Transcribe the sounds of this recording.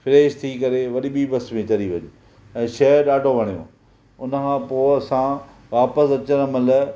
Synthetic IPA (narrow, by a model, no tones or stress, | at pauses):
fɪɾeːʃt̪ʰikɐɾeʋɐɗiɓiːbɐsmẽt͡ɕɐɾiʋɐɲɪ | ɛ̃ːʃɐəɾɗaːɖʱoʋʱɐɽ̃ijõ̰ː | ʊnəkʰãːpoːɐsã | ʋaːpəsɐt͡ɕəñɐməl